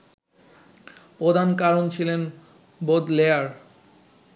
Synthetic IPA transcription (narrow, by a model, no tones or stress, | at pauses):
pɾod̪ʱankaɾont͡ɕʰilen | bod̪leaɾ